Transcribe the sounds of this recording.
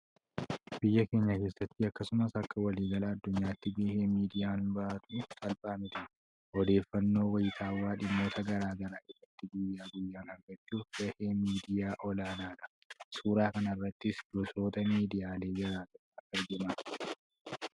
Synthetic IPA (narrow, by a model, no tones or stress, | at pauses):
b̥ɪjːɐke̞ːɲːɐke̞ːsːɐt̪ːɪɐkːɐsʊmɐsɐkːɐwɐliːɡɐlɐːd̪ːʊɲːaːɪt̪ːɪbe̞ːheːmiːd̪ɪjaːnbɐʔat̪ʊʔɪt̪ɐlpʼaːmɪt̪ɐ | ʔɔd̪e̞ːfːɐnːo̞ːwɐjɪt̪ʰaːwːaːᶑɪmːo̞ːt̪ʰɐɡɐɾaːɡɐɾaːʔɪrːɐt̪ːɪɡʊjːaːɡʊjːaːnhɐŋɡɐt͡ʃːuːfb̥eːheːmiːd̪ɪjaːʔɔlaːnaːᶑɐʔ | suːɾaːkɐnɐrːɐt̪ːɪsdɔso̞ːt̪ɐmiːd̪ɪjaːle̞ːd͡ʒɐɾaːɡ̪ɐʔaɛɾɡɪmaː